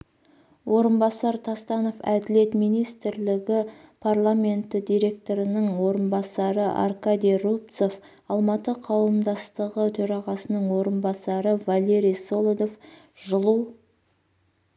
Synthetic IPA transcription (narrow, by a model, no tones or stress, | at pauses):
wʔo̞ɾənbɑsɑɾt̪ʰɑst̪ɑno̞fæ̰d̪ɪle̞t̪mijnijst̪ɪɾlɪɡʲɪpʰarlˠamʲe̞nt̪ɪd̪ijɾe̞k̚t̪o̞ɾənəɴwo̞ɾənbɑsɑɾəʔa̰rkad̪ijrup̚t̪so̞f | ɑlˠmɑt̪əqʰɑwəmd̪ɑst̪əʁət̪ʰɵɾɑʁɑsənəɴwo̞ɾənbɑsɑɾəvalʲe̞ɾijso̞lˠod̪o̞f | ʒəlˠuw